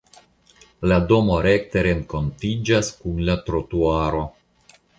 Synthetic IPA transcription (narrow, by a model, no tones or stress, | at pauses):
lado̞mo̞ɾe̞kte̞ɾe̞ŋko̞ntid͡ʒaskunlatɾo̞tuaɾo̞